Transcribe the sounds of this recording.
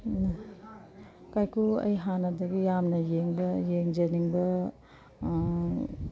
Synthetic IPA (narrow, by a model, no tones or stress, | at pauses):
kajkʰuɐ̰jɦanɐdɐɡijamnɐjeŋbɐjeŋd͡ʒɐniŋbɐ